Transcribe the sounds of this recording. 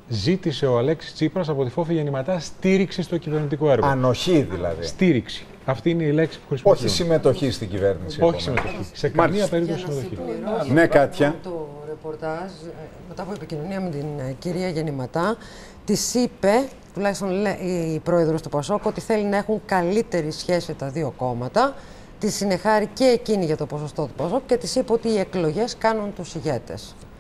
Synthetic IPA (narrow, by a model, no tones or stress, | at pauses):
zit̪ise̞oɐle̞ksi̥st͡sipɾɐs̬ɐpo̞t̪ifo̞fiʝenimɐt̪ɐst̪iɾiksist̪ocive̞ɾnit̪ikoe̞ɾɣɐno̞çiðḭlɐ̰ðisst̪iɾiksi̥ | ɐft̪iineile̞ksi̥pu̥xɾispoisimet̪o̞çist̪iɟiveɾnisio̞çi̥simet̪oçisekɐniɐpeɾit̪oosimet̪oçinekɐt̪çɐt̪oɾepo̞ɾt̪ɐz | me̞t̪ɐpuepicino̞niɐmet̪inciɾiɐʝenimɐt̪ɐ | t̪isipe̞ | t̪ulɐçist̪onleʔipɾo̞eðɾo̞st̪upɐso̞kuot̪iθe̞linɐe̞xuŋkɐlit̪e̞ɾisçe̞sit̪ɐðioko̞mɐt̪ɐ | t̪isine̞xɐɾice̞ːciniʝɐt̪o̞po̞sost̪o̞t̪upɐso̞ku̥ce̞t̪isipeo̞t̪iːe̞klo̞ʝe̞skɐnunt̪usiʝe̞t̪e̞̰s